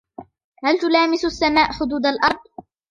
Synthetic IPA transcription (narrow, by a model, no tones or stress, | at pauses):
halt̪ʊlaːmɪsasːamaːʔħʊd̪uːd̪alʔɑɾˤd̪̚ˤ